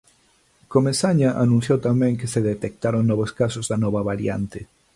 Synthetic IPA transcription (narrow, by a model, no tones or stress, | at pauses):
komesaɲaʔa̰nũnθjowt̪amɛ̃ŋkeseðet̪ek̚t̪aɾoŋnɔβ̞oskasozðanɔβaβaɾja̰nt̪e